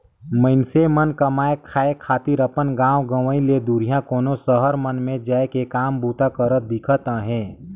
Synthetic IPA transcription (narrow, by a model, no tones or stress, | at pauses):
məɪnsemənkəmaːekʰaːekʰaːt̪ɪɾəpənɡãːwɡəʋəiled̪uːɾijãkoːnosəɦəɾmənmẽd͡ʒaːekekaːmbuːt̪akəɾət̪̚d̪ɪkʰət̪ãɦɛ̃ː